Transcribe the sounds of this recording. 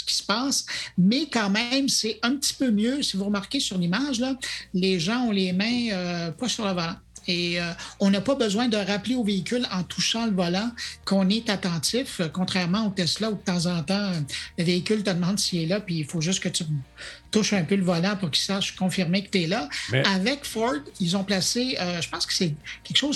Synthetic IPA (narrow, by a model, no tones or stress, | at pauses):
sə̥kʲi̥spaːsmɛkɑ̃mɛ̃msɛɛ̃p̚t̪t͡si̥pømjøsivuʁmaʁkʲesyʁlimaːʒlʌleʒɑ̃ɔ̃leːmɛ̃øpɔsyʁləvɔlãeøɔ̃napʌbəzwɛ̃d̪əʁapleoveikʲʏlɑ̃t̪ʰuʃɑ̃ləvɔlãkɔ̃nɛt̪at̪ɑ̃tt͡sɪfəkɔ̃t̪χɛʁmɑ̃ot̪ɛslaud̪ət̪ɑ̃zɑ̃ːt̪ɑ̃øləveikʲʏlt̪əd̪mɑ̃d̪siɛlʌpɥiːfoʒʏstkət̪yt̪uʃœ̃pøləvɔlãpʊʁkʲi̥saʃkɔ̃fiʁmekə̥t̪ɛlʌavɛkfɔld̪ilzɔ̃plaseøʒəpɑ̃skə̥sɛkʲɛkʃoʊz